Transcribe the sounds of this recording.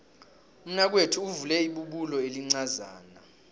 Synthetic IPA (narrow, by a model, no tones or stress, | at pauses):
um̩nak̬wetʰuːvulɛiɓuɓulɔeliŋ͡ǀaza̰ːna